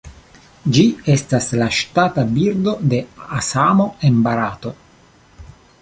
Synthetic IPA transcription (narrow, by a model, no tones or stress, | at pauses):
d͡ʒiestaslaʃtatabiɾdo̞de̞asamo̞embaɾato̞